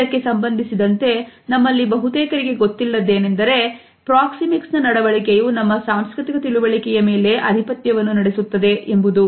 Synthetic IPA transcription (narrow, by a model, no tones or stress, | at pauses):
ɐkːe̞sɐmbɐnd̪ʱisid̪ɐnt̪e̞nɐmːɐlːibɐɦut̪ɛːkɐɾiɡe̞ɡo̞t̪ːilːɐd̪e̞ːne̞nd̪ɐɾe̞ | pɾaːksimiksnɐnɐɽɐʋɐɭikejuːnɐmːɐsaːmskɾit̪ikɐt̪iluʋɐɭikɛjɐme̞ːle̞ʔɐd̪ʱipɐt̪jɐʋɐnːunɐɽesut̪ːɐd̪e̞ʔembud̪u